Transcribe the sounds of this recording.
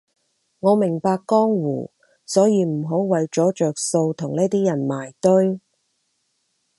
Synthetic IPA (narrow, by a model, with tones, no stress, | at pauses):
ŋɔː˨˧mɪ˨˩ŋpaː˧kːɔː˥ŋwṵː˨˩ | sɔː˨˥jiː˨˧m̩˨˩ɦo˨˥wwɐ˨jt͡ʃɔː˨˥t͡ʃœː˨k̚so˧wt̪ʰʊ˨˩ŋniː˥t̪iː˥jɐ˨˩nmaː˨˩jt̪ɵ˥ɥ